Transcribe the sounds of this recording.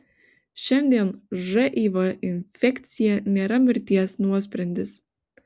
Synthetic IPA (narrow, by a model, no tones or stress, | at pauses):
ʃʲɛnʲd̪ʲiɛnʒɛʔiːʋɐʔɪnʲfʲɛkʲt̪sʲɪjɛnʲeːɾɐmʲɪɾʲt̪ʲiɛsnuɔsʲpʲɾʲɛnʲd̪ʲɪs